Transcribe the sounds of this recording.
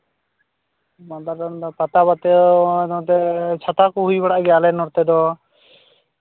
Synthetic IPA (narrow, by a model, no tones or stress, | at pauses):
mand̪aɾɔnd̪ɔpat̪abat̪ɛd̪ɔt̪ɛt͡ʃʰat̪akuɦujbaɽaʔɡɛjalɛnɔɾt̪ɛd̪ɔ